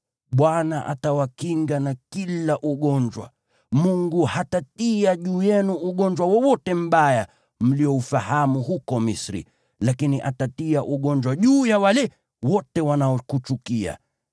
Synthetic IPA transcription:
ɓwanaʔa̰tawakiŋɡanakilaʔuɠɔɲd͡ʒwa̰ | muŋɡuhatatiaʄuːjɛnuuɠɔɲd͡ʒwawɔwɔtɛm̩ɓaja | m̩liɔufahamuɦukɔmisɾḭ | lakiniʔatatiaʔuɠɔɲd͡ʒwaʄuːjawalɛ | wɔtɛwanaɔkut͡ʃukia̰

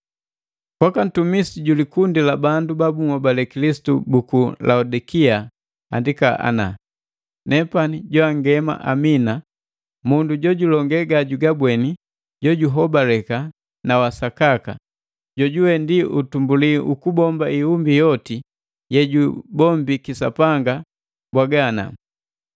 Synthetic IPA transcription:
kwakan̩tumisiɟulikundilabandubabumɔbalɛkilisi̥tubukulaudikia | a̰ndikaa̰na̰ | nɛpaniɟɔaŋɡɛma̰ʔamina | munduɟɔɟulɔŋɡɛɡaɟuɡabwɛni | ɟɔɟuɦɔbalɛka | nawasakaka̰ | ɟɔɟuwɛndiutumbuliʔukubɔmbaiumbijɔti | jɛɟubɔmbikisa̰paŋɡa | bwaɡana̰

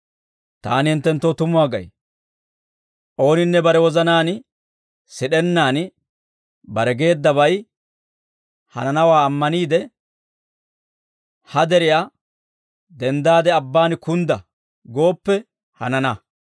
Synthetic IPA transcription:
t̪a̰ːnɪhɪnt̪ːɛnt̪ːot̪ʊmʊwaːɡɐ̰j | ʔo̞ːnɪnːɛbɐɾɛwɔzɐnaːnɪ | sɪɗɛnːaːn | bɐɾɛɡe̞ːd̪ːɐβɐj | hɐ̰nɐnɐwaːmːɐniːd̪ɛ | hɐd̪ɛɾɪja | d̪ɛnd̪aːd̪ɛɐbːaːnkʊnd̪ɐ | ɡo̞ːpːɛ | hɐ̰nɐnɐ

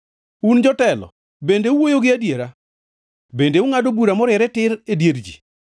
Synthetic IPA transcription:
und͡ʒɔtɛlɔ̰ | bendeuwojoɡɪadjeɾa | bendeuŋadobuɾamɔɾɛɾɛtɪɾedjeɾd͡ʒḭ

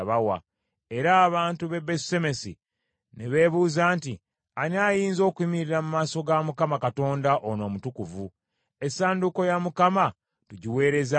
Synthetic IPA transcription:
βawa̰ | e̞ɾaːβaːntuβe̞bese̞me̞si | neβe̞ːβuːzaːnti | aniaːjiːnzo̞ːkuimiɾiɾamumaːso̞ɡamukamakato̞ːndaʔono̞ːmutukuvu | e̞saːnduko̞jamukama | tuɟiwe̞ːɾe̞za

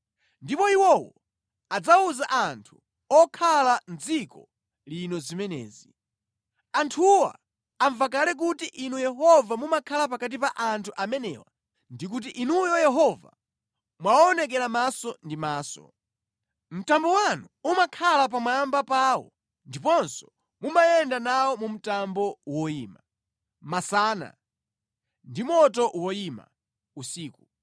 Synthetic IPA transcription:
ndipɔiwɔwɔ | ad͡zauzaʔantʰu̥ | ɔkʰalanzikɔ | linɔzimɛnɛ̰ːzi | antʰuwa̰ː | ɱvak̬alɛk̬utiʔinujɛɦɔvamumakʰalap̬akat̬ipaʔantʰuʔamɛnɛ̰ːwa̰ | ndik̬ut̬iʔinujɔjɛɦɔva̰ | mwawːnɛk̬ɛɾamasɔndimaːsɔ̰ | m̩tambɔwanuumakʰalap̬amwaambapaːwɔ̰ | ndipɔnsɔ̥ | mumajɛndanawɔmum̩tambɔwɔiːma | masaːna̰ | ndimɔtɔʔwɔima̰ | usiːku

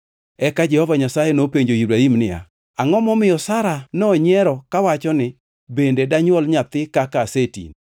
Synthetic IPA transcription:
ɛkad͡ʒɛhɔvaɲasajenopeɲd͡ʒojubɾaimnɪa̰ | aŋɔmɔmɪjɔsaɾanɔɲɛɾɔkawat͡ʃɔnɪ | bendedaɲwɔlɲat̪ɪkakasetḭn

